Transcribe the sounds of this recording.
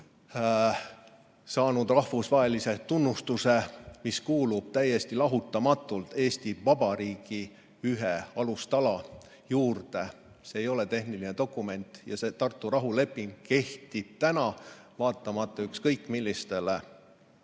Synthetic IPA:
sɑːnud̪̥rɑhvusvɑe̞lise̞t̪unːust̪use̞miskuːlub̥̚t̪æjːe̞st̪ilɑɦut̪ːˑɑmɑt̪ːˑult̪e̞ːst̪ivɑbɑɾiːɡ̥i | yɦeɑlust̪ɑlɑ | juːrd̪e̞ | seːjo̞le̞t̪e̞hnilined̪̥o̞kˑːume̞nt̪ˑjɑse̞ːt̪ɑrt̪ːˑuɾɑɦule̞pːˑiŋɡ̥ke̞ht̪i̥t̪ænɑvɑːt̪ːˑɑmɑt̪ːˑɑykskɤjkːˑmilːist̪e̞le

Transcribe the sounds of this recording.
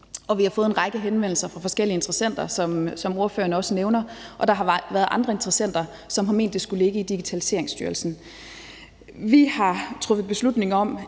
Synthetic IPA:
ɒ̽ʋihɑ̈fɔ̽ːð̞̩ˠenʁɑ̈ɡ̥əɦenʋen̰l̩sɐfʁɑ̈fɒ̽sɡ̥el̰iəe̝nd̥ʁɐsen̰d̥ɐsɒ̽msɒ̽mo̝ɐføːɐnəɒ̽səneʊnɐʔɒ̽d̥ɑ̈ɦɑ̈ʋæɐð̞̩ˠɑ̈nd̥ʁɐe̝nd̥ʁɐsen̰d̥ɐ | sɒ̽mɦɑ̈me̝̰ːnd̥ːe̝sɡ̥ule̝ɡ̥əid̥iɡ̥it͡sʰælise̝̰ɐ̰e̝ŋsd̥yːɐlsn̩ | ʋihɑ̈t͡sʰʁɔ̽fð̩ˠb̥e̝slud̥ne̝ŋɐɒ̽m

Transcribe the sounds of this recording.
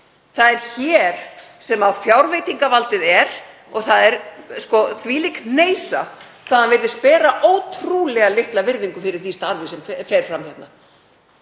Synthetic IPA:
θaðɛɾ̥çɛɾ̥sɛmawfjawɾveːjt̪iŋkavalt̪ɪðɛɾ̥ | ɔɣθaðɛɾskɔθviːlikneːjsakʰvaðhanvɪɾðɪspɛːɾaʔoːwt̪ʰɾulɛɣalɪht̪lavɪɾðiŋkʏfɪɾɪɾ̥θist̪aaɾvɪsɛmfɛɾ̥fɾamhçɛt̪na

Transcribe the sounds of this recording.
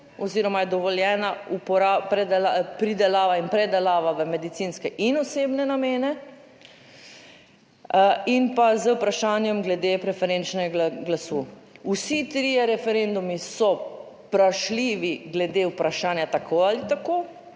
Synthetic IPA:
ɔziːɾɔmajɛd̪ɔʋɔljɛːnaupɔɾapɾɛd̪ɛlapɾid̪ɛlaːʋainpɾɛd̪ɛlaːʋaʋəmɛd̪it̪sinskɛʔinɔseːbnɛnameːnɛ | inpazəwpɾaʃaːnjɛmɡlɛd̪epɾɛfɛɾent͡ʃnɛɡɡlasu | usit̪ɾiːjɛɾɛfɛɾend̪umisɔ | pɾaʃliːʋiɡlɛd̪eupɾaʃaːnjat̪akʰoalit̪akoː

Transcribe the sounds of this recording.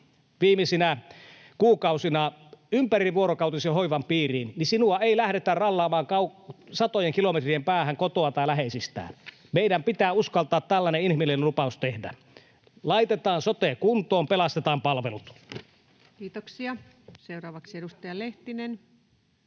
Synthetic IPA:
ʋiːmisinæ | kuːkɑusinɑympæriʋuoɾokɑˑut̪isiɦoiʋɑmpiːriːnnisinuɑeilæhɾet̪ærɑlːɑːmɑːŋkɑusɑt̪ojeŋkilomet̪riempæːhæŋkot̪oɑt̪ɑjlæɦeisist̪æ̰ː | meidæmpit̪æːuskɑlt̪ɑːt̪ːælːæneinhimilenlupɑˑust̪ehdæ̰ | lɑit̪et̪ɑːnsot̪ekunt̪ˑoːmpelɑst̪et̪ɑːmpɑlʋelut̪ | kiːt̪oksiɑ | seuɾɑːʋɑksieɾust̪ɑjɑleht̪inen

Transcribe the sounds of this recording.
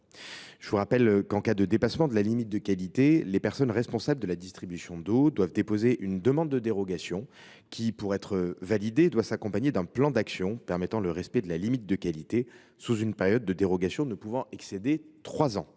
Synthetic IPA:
ʒəvuʁapɛlkɑ̃kad̪əd̪epasmɑ̃d̪əlalimit̪̚d̪əkalit̪elepɛʁsɔnʁɛspɔ̃sabləd̪əlad̪ist̪χibysjɔ̃d̪od̪wavd̪epozeʔynd̪əmɑ̃d̪ːəd̪eʁɔɡasjɔ̃ | kʲʰipuʁɛt̪χəvalid̪ed̪wasakɔ̃paɲed̪ɛ̃plɑ̃d̪aksjɔ̃pɛʁmɛt̪ɑ̃ləʁɛspɛd̪əlalimit̪̚d̪əkalit̪e | suzynpɛʁjɔd̪̚ːəd̪eʁɔɡasjɔ̃nəpuvɑ̃ʔɛksed̪et̪χwazɑ̃

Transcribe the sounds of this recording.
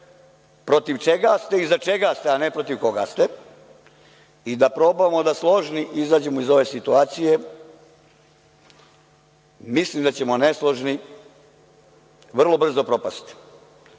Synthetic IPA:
pɾo̞t̪iʋt͡ʃe̞ɡast̪e̞izat͡ʃe̞ɡast̪eanepɾo̞t̪iʋko̞ɡa̰st̪e | id̪apɾo̞bamo̞d̪aslˠo̞ʒniʔizaːd͡ʑe̞moizo̞ʋe̞ːsit̪uaːt̪sije̞ | mislimd̪at͡ɕe̞mo̞neslˠo̞ʒni | ʋr̩lˠo̞br̩zo̞pɾo̞past̪

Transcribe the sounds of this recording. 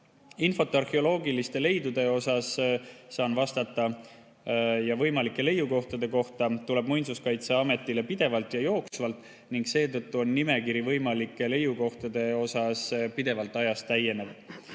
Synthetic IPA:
info̞t̪ːˑɑrheo̞lo̞ːɡilist̪e̞le̞jd̪ud̪̥e̞o̞sɑsːɑːnvɑst̪ɑt̪ːˑɑ | jɑvɤ̞jmɑlikːˑe̞le̞juko̞ht̪ɑd̪̥e̞ko̞ht̪ɑt̪ule̞bmujnsuskɑjt̪seɑme̞t̪ːˑile̞pid̪̥e̞vɑlt̪ˑjɑjo̞ːksvɑlt̪ːˑ | niŋɡse̞ːt̪ɤt̪ːuo̞nːime̞kiɾivɤjmɑlikːˑe̞le̞juko̞ht̪ɑd̪̥e̞o̞sɑspid̪̥e̞vɑlt̪ːˑɑjɑst̪æjːe̞ne̞v

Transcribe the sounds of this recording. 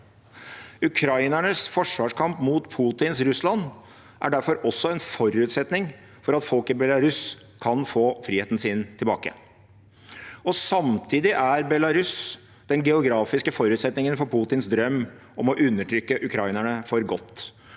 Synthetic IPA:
ʉkʰɾɑɪnæɳəsfɔʂʋɑːʂkʰɑmpmuːt̪pʰuːt̪ɪnsɾʉslɑn | ʔæ̰ɖæɾfɔɾɔsːɔɛnfɔɾʉːt̪sɛt̪nɪŋ | fɔɾɑt̪fɔlkɪbɛlɑɾʉs | kʰɑnfoːfɾiːeːt̪n̩siːnt̪ʰɪlbɑ̰ːkə̰ | ɔsɑmt̪ʰiːd̪ɪʔæɾbɛlɑɾʉs | d̪̥ɛnɡɛʊɡɾɑːfɪskəfɔɾʉːt̪sɛt̪nɪŋənfɔɾpʰuːt̪ɪnsd̪ɾœmː | ɔmɔʔʉnːəʈʰɾʏkːəʔʉkʰɾɑɪnəɳəfɔɾɡɔt̪ː

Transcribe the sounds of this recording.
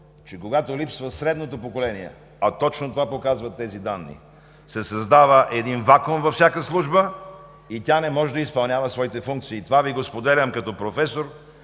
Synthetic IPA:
t͡ʃɛkoɡat̪olipsvəsɾɛd̪not̪opokolɛniɛ̰ | ɐt̪ɔt͡ʃnot̪ovapokazvɐt̪ːɛzid̪anːḭ | sɛsɐzd̪avəʔɛd̪invakomvɐfsʲakəslˠuʒbə | it̪ʲanɛmɔʒɛd̪ɐispɐlˠnʲavɐsvɔit̪ɛfuŋkt̪siːt̪ovaviɡospod̪ɛlʲɐmkɐt̪ɔpɾofɛsoɾ

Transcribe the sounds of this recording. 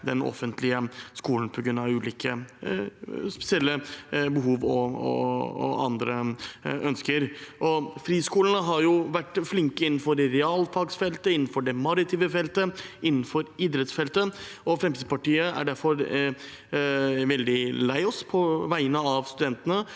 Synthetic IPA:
d̪ɛnɔ̰fənt̪ʰlɪəskuːlən̩pʰɔɡɾʉnːɑʋʉːliːkə | spɛ̥sɪɛlːəbəɦuːʋɔɔ̰ɑ̰nd̪ɾəœnskəɾʔɔfɾiːskuːlənəɦɑɾjʊʋæʈːflɪŋkəɪnːn̩fɔɾɾɛɑːlfɑɡsfɛlt̪əɪnːn̩fɔɖɛmɑlɪt̪ʰiːʋəfɛlt̪əɪnːn̩fɔɾɪd̪ɾɛt̪sfɛlt̪əɔfɾɛmt̪ʰiːd̪pʰɑʈiːəæ̰ɖæɾfɔɾ | ʋɛld̪ɪlæɪɔspʰɔʋæɪənəɑʋst̪ʉd̪ɛnt̪ənə

